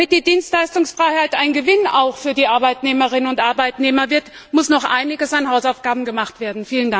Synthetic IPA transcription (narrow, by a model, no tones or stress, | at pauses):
mɪt̚d̥iːdiːnstlaɪstʊŋsfʁ̥aɪhaɪtʔaɪnɡəvɪnaʊxfyːɐdiːʔaɐbaɪtneːməʁ̞ɪnənʊntʔaɐbaɪtneːmɐvɪɐt | mʊsnɔχʔa̰ɪnɪɡəsanɦaʊsaʊfɡ̥aːbm̩ɡəmaχtv̥eːɐdn̩fiːlənda